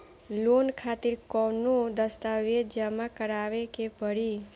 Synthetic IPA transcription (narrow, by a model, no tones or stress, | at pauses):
lonkʰat̪iɾkɔnõd̪əst̪aʋed͡ʒəmãkəɾaʋekepəɽi